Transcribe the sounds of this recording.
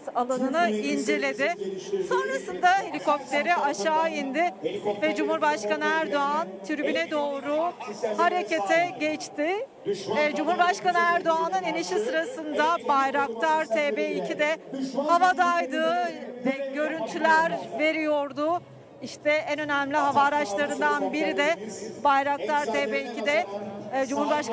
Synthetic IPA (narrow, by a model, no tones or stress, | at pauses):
salˠanɯnɯind͡ʒe̞lʲe̞d̪ɪso̞nɾasɯnd̪ahe̞lʲiko̞p̚t̪ʲe̞ɾiʔaʃaːind̪ɪvɛd͡ʒumhuɾbaʃkanɯæɾd̪o̞ant̪ʰyɾbynɛd̪o̞ːɾuhaɾe̞ce̞t̪ʰɛɟɛt͡ʃt̪ɪ | d͡ʒumhuɾbaʃkanɯæɾd̪o̞anɯniniʃisɯɾasɯnd̪abajɾak̚t̪ʰaɾt̪ʰeːbeːicʰid̪ɛhavad̪ajd̪ɯːɛɟø̞ɾynt̪ʰylʲæɾve̞ɾijo̞ɾd̪ʊ | iʃt̪ʰɛɛnø̞næmlʲiɦavaːɾat͡ʃlˠaɾɯnd̪anbiɾid̪ɛbajɾak̚t̪ʰaɾt̪ʰeːbeːilcid̪ɛd͡ʒumhuɾbaʃ